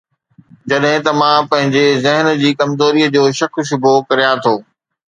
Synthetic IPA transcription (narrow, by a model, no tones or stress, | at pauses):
d͡ʑɐɗɦɪ̃t̪ɐmãpɐ̃ɦɪ̃ɲd͡ʑezɪɦən̆d͡ʑiːkɐmzoːɾiːəd͡ʑoːʃɐkʰʃ̬ʊbʱokɐɾijãt̪ʰoː